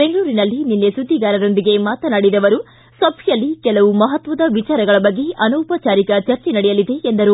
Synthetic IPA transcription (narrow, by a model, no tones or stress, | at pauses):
beŋɡɐɭuːɾinɐlːininːesud̪ʱːiɡaːɾɐɾo̞nd̪iɡe̞maːt̪ɐnaːɽid̪ɐʋɐɾu | sɐbʱjɐlːikɛlɐʋumɐɦɐt̪ʋɐd̪ɐʋit͡ʃaːɾɐɡɐɭɐbɐɡːe̞ʔɐnoːpɐt͡ʃaːɾikɐt͡ʃɐɾt͡ʃenɐɽɛjɐlid̪e̞end̪ɐɾu